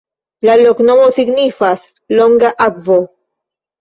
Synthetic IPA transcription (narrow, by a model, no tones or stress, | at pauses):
laloknomosiɡnifas | loŋɡaʔakvo